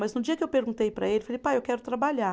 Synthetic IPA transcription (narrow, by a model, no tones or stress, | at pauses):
mɐznʊd͡ʒiɐkɪewpeɾɡũt̪ejpɾɐ̰elɪfalejpajewkɛɾʊt̪ɾabaʎa